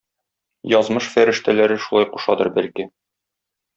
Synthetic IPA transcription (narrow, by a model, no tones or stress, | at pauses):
jɒzmɤʃfæɾɘ̆ʃt̪ælæɾɘʃulˠɑjquʃɑd̪ɤɾbælkɘ